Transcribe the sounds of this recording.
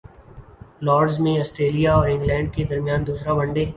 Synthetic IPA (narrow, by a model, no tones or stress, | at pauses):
lɔːɾɖzmẽɔːsʈɾeːlijaɔːɾɪ̃ŋɡlɛ̃ːɳɖ̚ked̪ɐɾmijaːnd̪uːsɾabɐ̃ɳɖeː